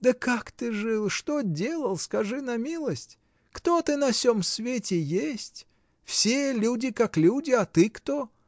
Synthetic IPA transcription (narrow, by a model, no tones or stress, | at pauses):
d̪əkakt̪ɨʐɨlˠʂt̪odʲe̞lˠəlˠskɐʐɨnɐmʲilˠəsʲtʲ | kt̪o̞t̪ɨnɐfsʲo̞msvʲetʲɪjesʲtʲ | fsʲelʲudʲɪkaklʲudʲɪat̪ɨkt̪o